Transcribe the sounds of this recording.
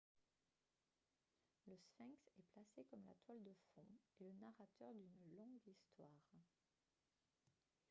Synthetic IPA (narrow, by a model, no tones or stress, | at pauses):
ləsfɛ̃ksɛplasekɔmla̰t̪wald̪əfɔ̃elənaʁat̪œʁd̪ynlɔ̃ɡist̪waːʁ